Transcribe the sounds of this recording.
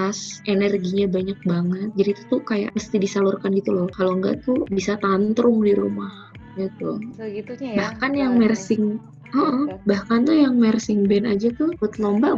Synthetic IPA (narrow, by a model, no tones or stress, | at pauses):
asʔenɛrɡiɲabaɲak̚baŋət̪̚d͡ʒadiːt̪u̥t̪ukaja̰ʔməst̪idisalurkanɡit̪ulɔkaloŋɡa̰ʔt̪ubisat̪ant̪ɾʊŋdiɾṵmah | ɡit̪u | bahkanjaŋmɛrsɪŋ | əʔəhbahkant̪ujaŋmɛrsɪŋbɛnad͡ʒat̪ubut̪lombaʔ